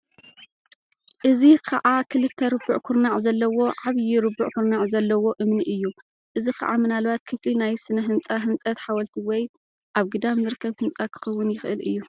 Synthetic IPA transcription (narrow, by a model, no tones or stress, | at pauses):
ʔɨzikʰaʕʔakʰɨlɨt̪ʰːɐɾɨbuʕkʰʊɾnaʕzɐlːɐwo̞ʕaβjɪɾɨbuʕkʊɾnaʕzɐlːɐwo̞ʔɨmniʔɨjːu | ʔɨzikʰɐ̰ʕamɨnalβat̪̚kʰɨflinajsɨnɐɦɨnt͡sʼaɦɨnt͡sʼɐt̪ħawɐlt̪ʰiwɔj | ʔaβɡɨd̪amzɨɾɨkʰːɐβhɨnt͡sʼakʰɨ̥xɐwːʊnjɪxʔɨlʔɨjːu